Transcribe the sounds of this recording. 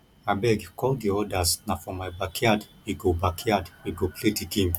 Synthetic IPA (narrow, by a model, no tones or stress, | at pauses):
abɛɡkʰɔld̪iɔdaznafɔmajbakʰjadwiɡobakʰjadwiɡoplitikim